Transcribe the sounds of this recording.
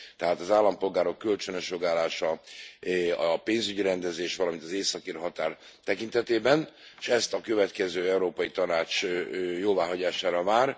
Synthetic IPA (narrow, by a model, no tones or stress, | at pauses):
t̪ɛɦaːt̪ɒzaːlːɒmpo̞lɡaːɾo̞kːølt͡ʃø̞nøʃjoɡaːlaːʃɒ | ɒpeːnzyɟiɾɛnd̪ɛzeːʃʋɒlɒmint̪ɒzeːsɒkirɦɒt̪aːr | t̪ɛkint̪ɛt̪eːbɛnʃɛst̪ɒkø̞vɛt̪kɛzøːɛuɾoːpɒjit̪ɒnaːt͡ʃjoːvaːɦɒɟaːʃaːɾɒvaːr